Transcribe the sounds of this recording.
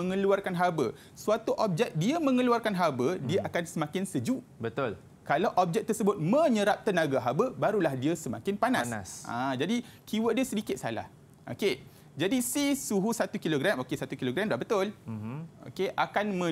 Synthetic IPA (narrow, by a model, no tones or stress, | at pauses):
əŋəluarkanɦabə | suat̪uʔɔp̚d͡ʒɛk̚diamə̃ŋəluarkanɦabədiaʔakansəmãkɪnsəd͡ʒuʔbət̪ʊl | kalawʔɔp̚d͡ʒɛk̚t̪ərsəbʊt̪̚mə̃ɲəɾap̚t̪ənaɡaɦabəbaɾulahdiəsəma̰kɪnpanasasã̰d͡ʒadi | kiwədiasədikɪt̪̚sa̰la̰h | ʔo̰ke | d͡ʒadisihsuɦusat̪ukiloɡɾamokesat̪ukiloɡɾamdahbət̪ʊl | o̰keʔakanmə̃